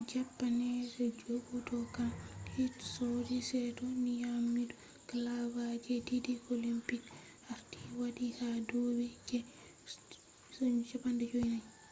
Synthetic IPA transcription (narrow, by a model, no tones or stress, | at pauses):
d͡ʒapːanɛdɛd͡ʒoɡutɔkanhitsɔdisɛtɔnijamidu | kalabad͡ʒɛdidiolimpik | haɾti̥wadihadowid͡ʒɛ | t͡ʃapːandɛd͡ʒoinaɲ